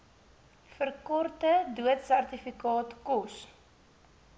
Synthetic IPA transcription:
fərkɔrtəduətsærtifikɑːtkɔs

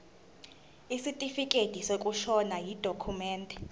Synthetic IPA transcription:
isitʼifikʼed̥ʱisekʼuʃɔnajid̥ʱokʰumɛːntʼɛ

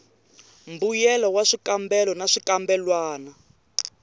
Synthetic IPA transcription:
mbujɛlɔwaʂikambɛlɔnaʂikambɛlwaːna

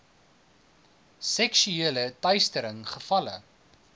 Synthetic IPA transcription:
sɛksyeələtœɥstəɾəŋχəfɐlə̰

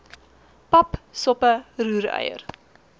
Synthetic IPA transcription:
pɐpsɔpəruːɾœ̰jə̰r

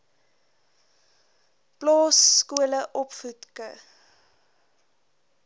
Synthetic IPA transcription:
plɔːskuələʔɔpfutkə̰

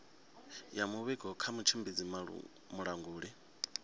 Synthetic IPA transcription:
jamuβɛɡɔkʰamut͡ʃʰimbid͡zim̰ | muɺaŋɡuːɺi

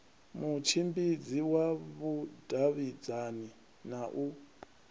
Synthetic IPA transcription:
mut͡ʃʰimbid͡ziwaβud̥ʱaβid͡zani | naʔu

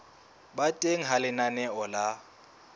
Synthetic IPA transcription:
batʼeŋ̩ɦalɪnanɛɔla

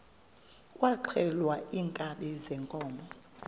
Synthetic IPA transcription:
kʼwaǃʰɛlwaiŋkʼaɓɛzɛŋkʼɔːmɔ

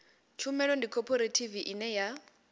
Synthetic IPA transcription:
t͡ʃʰumɛlɔndikʰɔpʰɔɾetʰiviʔinɛja

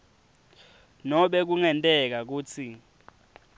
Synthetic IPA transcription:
nɔɓɛk̬uŋɛntʼɛk̬ak̬uːt͡sʰi

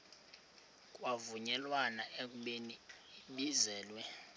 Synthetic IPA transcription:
kʼwavuɲɛlwanaʔek̬ʼuɓeniiɓizɛːlwɛ

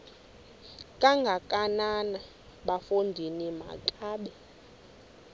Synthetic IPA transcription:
kʼaŋɡʱakʼanana | ɓafundʱinima̰kʼaːɓɛ

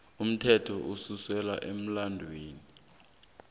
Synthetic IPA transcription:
um̩tʰɛtʰɔʔususwɛlaʔem̩landʱweːni

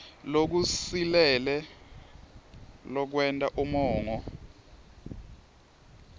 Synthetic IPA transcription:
lok̬usilɛlɛ | lɔk̬wɛntʼaʔumɔːŋɔ

